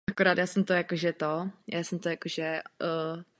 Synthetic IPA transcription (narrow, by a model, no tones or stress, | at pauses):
akoɾaːt̪jaːsɛmt̪ojakoʒɛt̪ojʔaːsɛmt̪ojakoʒɛ